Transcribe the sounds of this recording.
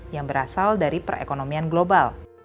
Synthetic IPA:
jaŋbəɾasaldaɾipərḛkonomianɡlobal

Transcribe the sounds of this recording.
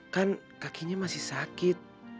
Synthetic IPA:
kan | kakiɲamasihsakit̪̚

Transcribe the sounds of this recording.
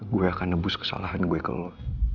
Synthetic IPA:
ɡuɛakanːəbʊskə̥sa̰laɦanɡuɛkə̰lɔ

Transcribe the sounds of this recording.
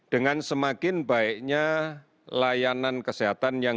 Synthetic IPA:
d̥əŋansəmakɪnbaɪʔɲa | lajanankəseɦat̪anjaŋ

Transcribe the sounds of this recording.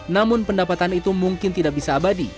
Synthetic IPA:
namʊnpəndapat̪anit̪umuŋkɪnt̪idak̚bisaːbadi

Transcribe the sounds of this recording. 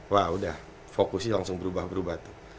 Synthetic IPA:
waudah | fokusɲilaŋsʊŋbəɾubahbəɾubaht̪u̥

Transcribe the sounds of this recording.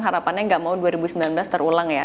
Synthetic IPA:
ɦaɾapanɲaŋɡaʔmauduaɾibusəmbilanblast̪ərulaŋja̰

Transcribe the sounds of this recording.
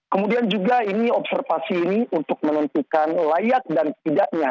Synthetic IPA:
kəmudiand͡ʒuɡainiɔp̚sərfasiːniunt̪ʊk̚mənənt̪ukanlajak̚dant̪idaʔɲa

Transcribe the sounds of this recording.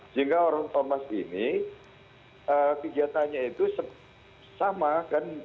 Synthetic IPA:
d͡ʒɨŋkaoɾaŋt̪ɔrmasini | əkəɡiat̪aɲait̪usə | samakan

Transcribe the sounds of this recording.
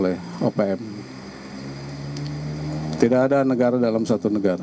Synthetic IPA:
lɛhopeɛm | t̪idakadanəɡaɾadalamsat̪unəɡaɾa

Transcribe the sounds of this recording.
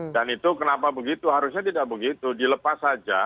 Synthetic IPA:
danit̪ukənapabəɡit̪uɦaɾʊsɲat̪idaʔ̚bəɡit̪udiləpasad͡ʒa

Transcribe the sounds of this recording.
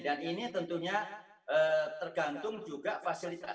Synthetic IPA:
daninit̪ənt̪uɲa | ʔət̪ərɡant̪ʊŋd͡ʒuɡafasilit̪a

